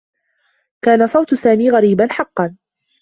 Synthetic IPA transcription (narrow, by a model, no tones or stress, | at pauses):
kaːnasˤɑwt̪ʊsaːmiːɣaɾiːbanħɑqːɑn